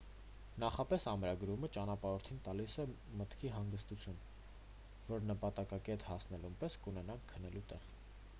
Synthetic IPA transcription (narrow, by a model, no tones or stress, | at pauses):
nɑχɑpɛsɑmɾɑɡɾumət͡ʃɑnɑpɑɾɔɾt̪ʰint̪ɑlisɛ | mət̪kʰiɦɑŋɡəst̪ut͡sʰjun | vɔɾnəpɑt̪ɑkɑkɛt̪hɑsnɛlumpɛskunɛnɑŋkʰːənɛlut̪ɛʁ